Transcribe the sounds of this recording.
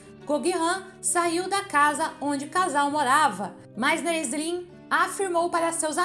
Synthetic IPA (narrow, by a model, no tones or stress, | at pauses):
ɡ̥oɡiɦɐ̃ | saiwd̪ɐkazɐõd͡ʒɪkazawmoɾavɐ̰ | mɐznɐezlĩ | afiɾmowpaɾɐsewza